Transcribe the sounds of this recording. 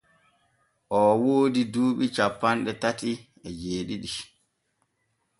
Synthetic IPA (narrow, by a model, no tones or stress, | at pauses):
ʔɔwoːdiduːɓit͡ʃapːanɗɛtati | ɛd͡ʒeːɗiɗi